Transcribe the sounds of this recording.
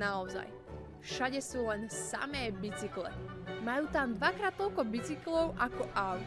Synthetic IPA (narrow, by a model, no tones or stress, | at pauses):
aɔza̰j | fʃaɟɛsuːlɛnsa̰mɛːbit͡siklɛ̰majuːt̪amd̪ʋakɾaːt̪̚t̪ɔʎkɔbit͡siklɔʊʔakɔʔaʊ